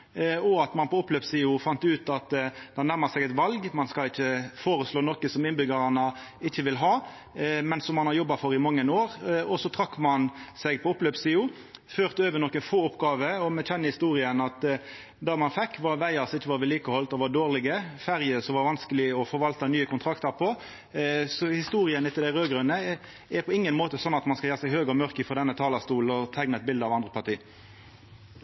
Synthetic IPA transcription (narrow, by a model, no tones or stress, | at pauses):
ɔɑt̪mɑnpʰɔʊpløːpsiːʊfɑnt̪ʉːt̪ɑt̪d̪̥hɑnæʁməsɛɡɛt̪ʋɑlɡmɑnskɑlɪçːəfoːɾəsloːnɔkəsɔmɪnbʏɡəɾɑnə | ɪçːəʋɪlɦɑː | mɛnsɔmːɑnhɑɾjɔbːɑfɔɾɪmɑŋːənoːʁɔsɔt̪ʰɾɑkːmɑnsɛɡpʰɔʊpløːpsiːʊ | føːʁt̪əøːʋənɔkːəfoːʊpːɡɑːʋəɔmɛc͡çɛnːəhɪst̪uːʁɪənɑt̪ | d̪ɑmɑnfɛkːʋɑɾʋæɪɑsɪçːəʋɑːɾʋɛliːkɔhɔlt̪ɔʋɑd̪oːʁlɪɡəfæʁjəsɔʋɑɾʋɑnskəlɪɔfɔɾʋɑlt̪ənyːəkʊnt̪ʰʁɑkt̪əɾpʰɔ | sɔhɪst̪uːɾɪənət̪ʰɪld̪æɪʁøːɡʁʉnːə | ɛɾpʰɔɪŋːənmoːt̪əsɔnːɑt̪mɑnskɑljæːʁəsɛɡɦøːɡɔmœʁkəfɔɾd̪ɛnːət̪ʰɑːlɑst̪uːln̩ɔt̪ʰɛɡnəɛt̪̚bɪld̪əɑʋɑnd̪ʁəpʰɑʁt̪iː